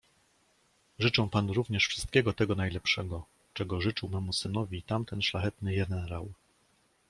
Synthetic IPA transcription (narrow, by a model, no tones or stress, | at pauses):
ʐɘt͡ʂɛ̃w̃panɾuvɲɛʂfʂɘst̪̚kʲɛɡɔt̪ɛɡɔnajlɛpʂɛɡɔ | t͡ʂɛɡɔʐɘt͡ʂɘwmɛmusɘnɔvʲit̪amt̪ɛnʂlaxɛt̪nɘjɛnɛɾa̰w